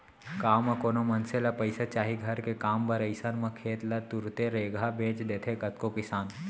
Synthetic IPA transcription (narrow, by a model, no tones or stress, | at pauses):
kaːwmɐkoːnomɐnselapɐɪsat͡ʃaːɦiɡʱɐɾkekaːmpɐɾɐɪsənmɐkʰeːt̪lɐt̪ʊɾt̪eɾeːɡʱabʱẽːt͡ʃd̪eːt̪ʰekɐt̪̚kokɪsaːn